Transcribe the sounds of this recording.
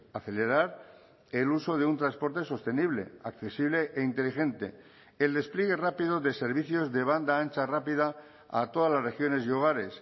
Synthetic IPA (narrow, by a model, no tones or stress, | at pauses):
aθe̞le̞ɾaɾ | eluso̞ðeunt̪ɾanspo̞ɾt̪e̞so̞st̪e̞niβ̞le̞̰akθe̞siβle̞ʔeint̪e̞lixẽ̞nt̪e̞̰ | eld̪e̞spljiɣ̞e̞rapiðo̞ðe̞se̞ɾβiθjo̞zðe̞β̞and̪aant͡ʃarapiða | a̰t̪o̞ðalasre̞xjo̞ne̞sioɣ̞aɾe̞s